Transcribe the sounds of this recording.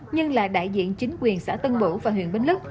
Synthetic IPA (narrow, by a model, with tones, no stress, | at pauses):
ɲɨ˧ŋla̰ː˧˨˩ɗa̰ː˧˨jzḭ˧˨ənt͡ɕï˨˦ŋ̟kwi˨˩ənsa̰ː˧˥t̪ə˧nɓṵ˧˩vaː˨˩ɦwḭ˧˨ənɓe˧nlɨ˦˥k̚